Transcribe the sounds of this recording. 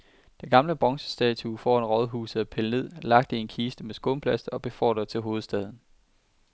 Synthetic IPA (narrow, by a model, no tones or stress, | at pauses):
d̥eɡ̥ɑ̈mləb̥ʁɒ̽ŋsə̥sd̥ɛ̰ːt͡sʰufɒ̰enʁɒ̽ð̞ˠɦuːs̩ˠæpʰeləne̝ð̞̰ˠlɑ̈ɡ̥̚d̥əie̝nkʰiːsd̥əmesɡ̥oːmpʰlæsd̥ɐɒ̽b̥e̝fɒ̰ːd̥ɐt͡sʰe̝lɦo̝ːð̞̩ˠsd̥ɛːðˠn̩